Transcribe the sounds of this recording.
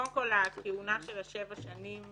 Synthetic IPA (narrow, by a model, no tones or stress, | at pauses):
mkolakeunaʃelaʃevaʃanim